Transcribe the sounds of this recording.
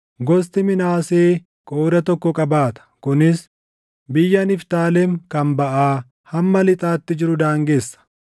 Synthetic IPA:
ɡɔs̬t̪ɪmɪnaːseː | kʼo̞ːd̪ɐt̪ɔkːɔkʼɐbaːt̪ɐ̥kʊnɪs | bɪjːɐnɪft̪aːlɛmkɐmbɐʔaː | hɐmːɐlɪt̪ʼaːt̪ːɪd͡ʒɪɾʊd̪aːŋɡeːsːɐ̥

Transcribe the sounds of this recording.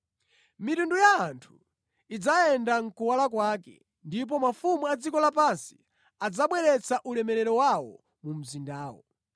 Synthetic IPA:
mitundujaːntʰu̥ | id͡zaɛndaŋ̩kuwalak̬wakɛ̰ | ndip̬ɔmafumuad͡zikɔlapansi̥ | ad͡zaɓwɛɾɛt͡saʔulɛmɛɾɛɾɔwawɔ̰ | mum̩zindaːwɔ̰

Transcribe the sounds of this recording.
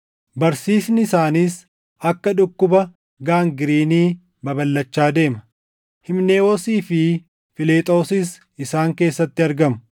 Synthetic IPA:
bɐɾsiːsnɪɪsaːniːs | ɐkːɐᶑʊkːʊbɐ | ɡaːŋɡɪɾiːniː | bɐbɐlːɐt͡ʃːaːd̪e̞ːmɐ | hɪmne̞ːwɔsiːfɪ | fɪleːt̪ʼo̞ːsɪs | ɪsaːŋke̞ːsːɐt̪ːɪɐɾɡɐmʊ

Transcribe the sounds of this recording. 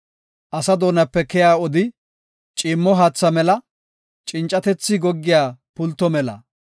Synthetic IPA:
ʔɐsɐd̪o̞ːnɐpːɛkɛjaːɔd̪ɪ | t͡ʃʼɪːmːɔɦaːt͡sːɐmɛlɐ | t͡ʃʼɪnt͡ʃʼɐt̪ɛt͡sːɪɡɔɡːɪjaːpʊlt̪ːɔmɛlɐ̰

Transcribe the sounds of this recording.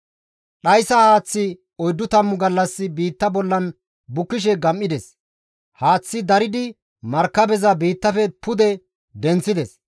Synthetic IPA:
ɗɐjsɐhaːt͡sːɪ | ɔjd̪ːʊt̪ɐmːʊɡɐlːɐsːɪbiːt̪ːɐbɔlːɐn | bʊkːɪʃ̬ɛɡɐmʔːɪd̪ɛs | haːt͡sːɪd̪ɐɾɪd̪ɪ | mɐɾkːɐbɛzɐbiːt̪ːɐfɛpʊd̪ɛ | d̪ɛnt͡sːɪd̪ɛs

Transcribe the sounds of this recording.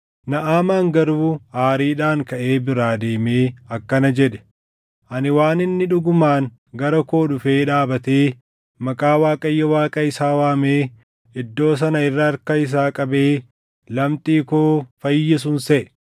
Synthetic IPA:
nɐʔaːmaːŋɡɐɾuːaːɾiːᶑaːŋkɐʔe̞ːbɪɾaːd̪eːmeːɐkːɐnɐd͡ʒɛɗɛ̥ | ʔɐnɪwaːnɪnːɪᶑʊɡʊmaːŋ | ɡɐɾɐkoːᶑʊfeːᶑaːbɐt̪eː | mɐkʼaːwaːkʼɐjːɐwaːkʼɐɪsaːwaːmeː | ɪd̪ːo̞ːs̬ɐnɐɪrːɐːɾkɐɪs̬aːkʼɐbe̞ː | lɐmt̪ʼiːkoːfɐjːɪs̬ʊnsɛʔɛ̥

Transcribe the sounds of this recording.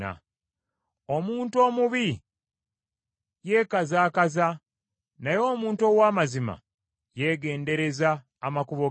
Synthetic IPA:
a̰ | omuːntuo̞ːmuβi | je̞ːkazaːkaza | najo̞ːmuːnto̞ːwaːmazima̰ | je̞ɡe̞ːnde̞ɾe̞zaː | makuβo

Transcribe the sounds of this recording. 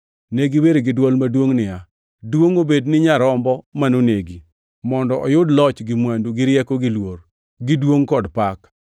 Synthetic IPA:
neɡiweɾeɡɪdwɔlmadwoŋnɪja | dwoŋobednɪɲaɾɔmbɔmanoneɡi | mɔndɔʔɔjʊdlɔt͡ʃɡɪmwanduɡɪɾjɛkoɡɪlwor | ɡɪdwoŋkɔdpak

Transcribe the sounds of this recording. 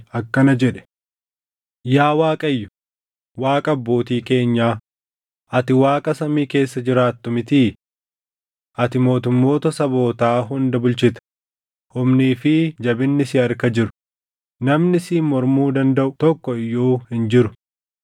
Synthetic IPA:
ɐkːɐnɐd͡ʒɛᶑɛ̥ | jaːwaːkʼɐjːʊ | waːkʼɐbːo̞ːt̪iːke̞ːɲːaː | ʔɐt̪ɪwaːkʼɐsɐmiːke̞ːsːɐd͡ʒɪɾaːt̪ːɔmɪt̪iː | ʔɐt̪ɪmo̞ːt̪ʊmːo̞ːt̪ɐsɐbo̞ːt̪aːɦʊnd̪ɐbʊlt͡ʃɪt̪ɐ̥ | hʊmniːfɪd͡ʒɐbɪnːɪsɪɐɾkɐd͡ʒɪɾʊ | nɐmnɪsiːmɔɾmuːd̪ɐnd̪ɐʔʊt̪ɔkːɔɪjːoːhɪnd͡ʒɪɾʊ

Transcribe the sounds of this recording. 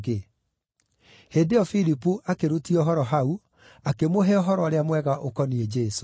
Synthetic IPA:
ɡe | hedeɔfiɾipuʔakeɾotiɔɦɔɾɔɦau | akemoɦeɔɦɔɾɔɾeamwɛɣaʔokɔnied͡ʒɛso̥

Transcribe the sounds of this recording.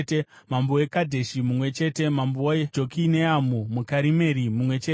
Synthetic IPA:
te | mamboekadʱe̞ʃimumwe̞t͡ʃe̞ːte̞mambooed͡ʒokineamumukaɾime̞ɾimumwe̞t͡ʃet

